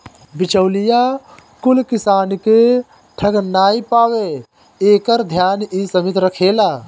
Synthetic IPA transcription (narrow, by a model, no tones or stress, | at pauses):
bɪt͡ʃəwlijakʊlkɪsaːnke | ʈʰəɡnaːipaːwe | eːkəɾd̪ʱjaːnisəmɪt̪ɾəkʰeːlaː